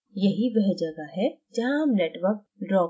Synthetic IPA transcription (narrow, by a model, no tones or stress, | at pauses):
jɐɦiʋɛɦd͡ʒɐɡaɦɛd͡ʒaãːmneːʈʋəɾk̚ɖɾɔː